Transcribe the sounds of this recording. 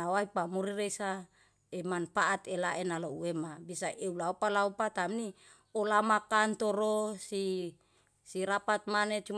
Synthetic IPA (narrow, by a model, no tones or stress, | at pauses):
awaipamuɾiɾesa | emanfaʔat̪elaʔenalouemabisaʔeulaopalaupat̪amni | olamakant̪oɾosi | siɾapat̪̚manet͡ʃum